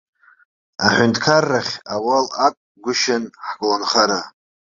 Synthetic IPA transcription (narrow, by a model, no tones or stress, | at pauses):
aħʷʊntʰʼkʰarːaχʲawalakʷʼ | ɡʷʊʃɪnħɡʼlanχaɾa